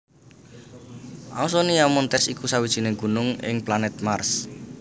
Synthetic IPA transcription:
ʔa̰us̬ɔnijamɔnt̪ɛsikusawid̥ʒ̥i̤neɡ̥ṳnʊŋɪ̰ŋplanɛt̪̚mars

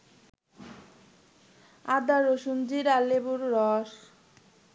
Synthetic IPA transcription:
ad̪aɾoʃund͡ʑiɾalːebuɾːɔʃ

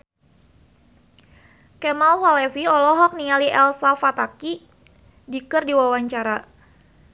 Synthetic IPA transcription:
kɛmalfalɛfiɔlɔɦɔk̚niŋaliʔɛlsafat̪aki | dikərdiwawaɲt͡ʃaɾa

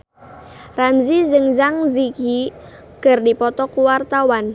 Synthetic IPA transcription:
ramzizɨŋzaŋziki | kərdipɔt̪ɔkuwart̪awan

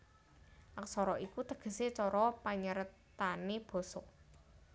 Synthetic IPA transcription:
ʔak̚sɔɾɔʔikut̪əɡ̥ə̤set͡ʃɔɾɔpaɲəɾət̪aneb̥ɔ̤sɔʔ

